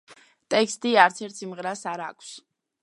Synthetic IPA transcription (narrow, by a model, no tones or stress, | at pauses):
t̪ʼɛkst̪ʼiaɾt̪sʰɛɾt̪ʰsimʁɾasaɾa̰kʰs